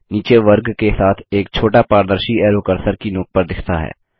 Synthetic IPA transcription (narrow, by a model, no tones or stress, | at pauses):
niːt͡ʃeʋəɾɡkesaːt̪ʰeːk̚t͡ʃʰoːʈapaːɾd̪əɾʃiɛːɾokəɾsəɾkinoːk̚pəɾd̪ɪkʰt̪a̰ɦɛ̰ː